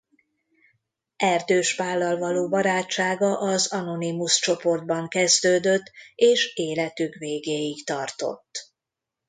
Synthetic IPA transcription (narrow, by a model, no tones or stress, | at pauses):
ʔɛrd̪øːʃʋaːlːɒlvɒloːbɒɾaːt͡ʃt͡ʃːaːɡɒʔɒzɒno̞nimust͡ʃo̞po̞rd̪̚bɒŋkɛzd̪øːd̪øt̪ːeːʃeːlɛt̪ykveːɡeːjikt̪ɒrt̪o̞̰t̪ː